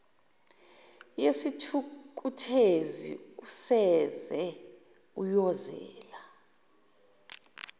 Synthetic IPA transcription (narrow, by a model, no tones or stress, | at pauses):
jesitʰukʼutʰezḭusɛzɛ | ujɔzɛ̰ːla